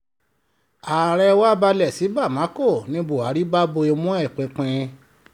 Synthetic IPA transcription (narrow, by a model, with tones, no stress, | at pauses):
a˨ɾɛ˦wa˦ba˧lɛ˨si˨˦ba˦˨mã˨˦ko˦˨nĩ˧˦bo˨a˨˦ɾi˦ba˦bo˧e˧mũ˦ɛ˦˨k͡pĩ˨˦k͡pɛ̃˧